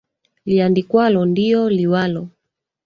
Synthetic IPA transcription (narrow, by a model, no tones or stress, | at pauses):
liandikwalɔndiɔliwalɔ